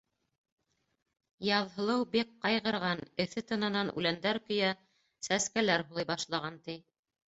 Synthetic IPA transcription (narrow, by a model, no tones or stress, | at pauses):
jɑðɦɤ̆lˠɤwbeqːɑjʁɤ̆ɾʁɑnɘ̆θɘt̪ɤ̆nɑnɑnʉ̰lænd̪æɾkɵ̆jæ | sæskælæɾɦulˠɤjbɑʃlˠɑʁɑnt̪i